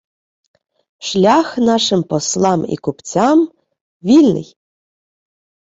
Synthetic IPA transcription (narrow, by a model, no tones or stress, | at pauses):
ʃlʲaxnɑʃɨmpɔslˠɑmḭkupt͡sʲam | vʲilʲnɨ̰j